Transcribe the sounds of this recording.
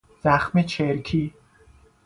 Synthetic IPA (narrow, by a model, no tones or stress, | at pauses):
z̥æxmet͡ʃʰeɾkʰiː